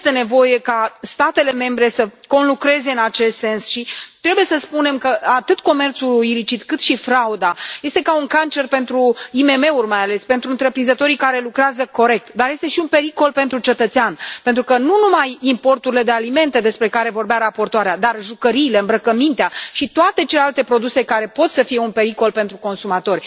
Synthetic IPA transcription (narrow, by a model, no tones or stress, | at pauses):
st̪e̞ne̞vo̞je̞kast̪at̪e̞le̞me̞mbɾe̞səko̞nlukɾe̞ze̞ɨnat͡ʃe̞st̪se̞nsʃit̪ɾe̞bujesəspune̞mkəat̪ɨt̪ko̞me̞rt̪suilit͡ʃit̪kɨt̪ʃifɾaud̪aje̞st̪e̞kauŋkant͡ʃe̞rpe̞nt̪ɾuime̞me̞urʲmajale̞spe̞nt̪ɾuɨnt̪ɾe̞pɾinzət̪o̞ɾikaɾe̞lukɾeazəko̞ɾe̞k̚t̪d̪arje̞st̪e̞ʃiunpe̞ɾiko̞lpe̞nt̪ɾut͡ʃe̞t̪ət̪seanpent̪ɾukənunumajimpo̞rt̪uɾile̞d̪e̞alime̞nt̪e̞d̪e̞spɾe̞kaɾe̞vo̞rbeaɾapo̞rt̪oaɾead̪arʒukəɾiːle̞ɨmbɾəkəmint̪eaʃit̪oat̪e̞t͡ʃelealt̪e̞pɾo̞d̪use̞kaɾe̞po̞t̪səfije̞unpe̞ɾiko̞lpe̞nt̪ɾuko̞nsumat̪o̞rʲ